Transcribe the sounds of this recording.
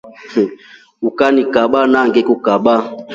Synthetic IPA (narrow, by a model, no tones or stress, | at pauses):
ukanikaɓanaŋɡɛkukaɓa